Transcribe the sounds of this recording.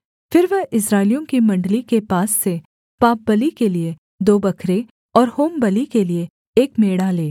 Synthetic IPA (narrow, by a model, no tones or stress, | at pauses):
fɪɾʋɐɦɪs̬ɾaːɪlijõkimɐ̃ɳɖlikepaːsːe | paːp̚bɐlikelie | d̪oːbɐkʰɾe | ɔːɾhoːmbɐlikelie | eːkmeːɽaleː